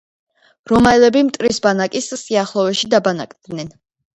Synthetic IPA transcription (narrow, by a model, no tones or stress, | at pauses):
ɾɔmaɛlɛbimt̪ʼɾisbanakʼissiaχlˠɔvɛʃid̪abanakʼd̪nɛn